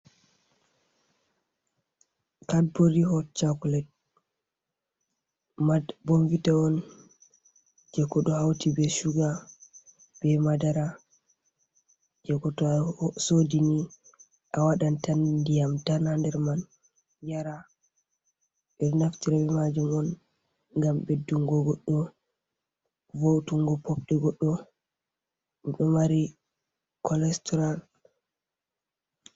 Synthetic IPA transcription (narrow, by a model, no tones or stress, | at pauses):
kad̚boɾihɔt͡ʃakulɛt̚ | mbɔnvitaɔn | d͡ʒɛkɔɗɔhawtibɛʃuɡa | b̥ɛmadaɾa | d͡ʒɛkɔtɔsodini | ʔawaɗantandijamtanandɛɾman | jaɾa | ɓɛɾnaftiɾabɛmad͡ʒumɔn | ŋɡambedːuŋɡɔɡɔɗːɔ | vowtuŋɡɔpɔpɗɛɡɔɗːɔ | ɛɗɔmaɾi | kʰɔlɛstɔɾal